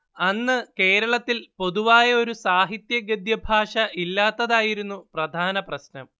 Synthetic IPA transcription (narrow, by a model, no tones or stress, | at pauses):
ɐnːɨke̞ːɾɐɭɐt̪ːilpo̞ðuʋaːjɐo̞ɾusaːɦit̪jɐɡɐd̪jɐbʱaːʂɐʔilːaːt̪ːɐðaːjiɾunːuprɐd̪ʱaːnɐprɐɕnɐm